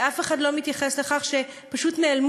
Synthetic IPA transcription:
afe̞χadlo̞mit̪jaχesle̞χaχʃe̞ | paʃutnealm

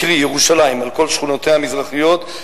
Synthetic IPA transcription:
ʁijeʁuʃalaimalko̞lʃχuno̞t̪ehamizʁaχijo̞t̪

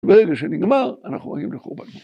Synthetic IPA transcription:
beʁeɡaʃeniɡmaʁanaχnumo̰ɡimleχuʁbatmu

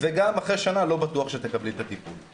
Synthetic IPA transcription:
veɡamaχʁeʃanalo̞bat̪uaχʃet̪ekablit̪at̪ipul

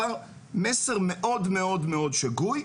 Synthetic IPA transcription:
aʁ | meseʁmeʔo̞d̪meo̞d̪meod̪ʃaɡuj

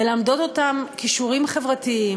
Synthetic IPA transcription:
elamd̪o̞t̪o̞t̪amkiʃuʁimχe̞vʁatiim

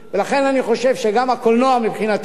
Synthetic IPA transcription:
velaχenaniχo̞ʃe̞vʃeɡamhakolnoamipχinat̪

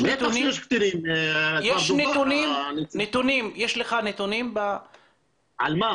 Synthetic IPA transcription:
net̪unijɛʃkt̪iɾimjeʃnet̪unimnnet̪unimjeʃleχanet̪unimba | alma

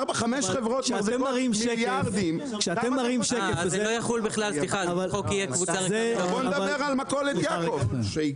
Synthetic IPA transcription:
baχameʃχevʁot̪ʃeaaʁzemːaʁimʃejaʁd̪im | kʃeat̪emːaʁimʃekeezelojaχulbiχlaliχaavalokijɛkvut͡sazeond̪avabeʁalmakoled̪jaakovʃei

